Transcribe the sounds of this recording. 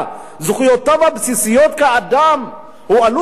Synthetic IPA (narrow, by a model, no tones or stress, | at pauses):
zuχujotavhabsisijot̪̚kaad̪am | hualu